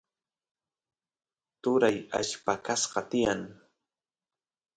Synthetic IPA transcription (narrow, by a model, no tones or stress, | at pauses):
t̪ʊɾaja̰ʃpakasɢɑt̪ɪjaŋ